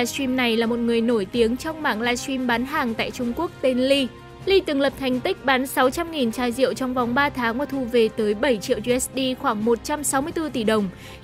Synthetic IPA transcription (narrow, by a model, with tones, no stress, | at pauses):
a˧swi˧mna˨˩jlaː˨˩mo˨˩t̚ŋɨ˨˩əjno˧˩jt̪i˨˦əŋt͡ɕɔ˧wŋ͡mmaː˧˩ŋlaː˧swi˧mɓaː˨˦nɦaː˨˩ŋt̪a̰ː˧˨jt͡ɕʊ˧ŋ͡mku˦˥ək̚t̪e˧nli˧ | li˧t̪ɨ˨˩ŋlə˨˩p̚t̪ʰa˨˩jŋ̟t̪ï˦˥k̟̚ɓaː˨˦nsa˨˦wt͡ɕa˧mŋi˨˩nt͡ɕaː˧jzḭ˧˨əwt͡ɕɔ˧wŋ͡mva˨˩wŋ͡mɓaː˧t̪ʰaː˨˦ŋvaː˨˩t̪ʰu˧˩ve˨˩t̪əː˨˦jɓə˧˩jt͡ɕḭ˧˨əwzi˧ɛ˦˥sɗi˧xwaː˧˩ŋmo˨˩t̚t͡ɕa˧msa˨˦wmɨ˧əjt̪ɨ˧t̪i˧˩ɗə˨˩wŋ͡m